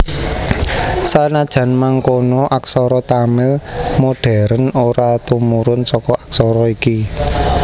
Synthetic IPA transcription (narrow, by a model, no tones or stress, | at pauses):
sanad̥ʒ̥ä̤nmaŋkonɔʔaksɔɾɔt̪amɪlmoɖ̥ɛ̤ɾənoɾat̪umuɾʊnsɔkɔʔaksɔɾɔiki